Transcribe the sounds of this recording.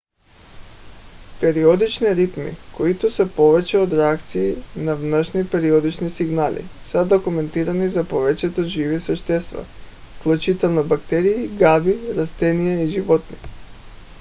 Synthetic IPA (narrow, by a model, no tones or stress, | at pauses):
pɛɾiɔd̪it͡ʃniɾit̪mḭkoit̪osɛpovɛt͡ʃɛod̪ɾɛak̚t̪siːnavnəʃnipɛɾiod̪it͡ʃnisiɡnalḭsad̪okumɛnt̪iɾanizapovɛt͡ʃɛt̪oʒivisvɛʃt̪ɛst̪va̰ | fklˠut͡ʃit̪ɛlˠnobakt̪ɛɾiːɡabiɾast̪ɛnijɛiʒivɔt̪nḭ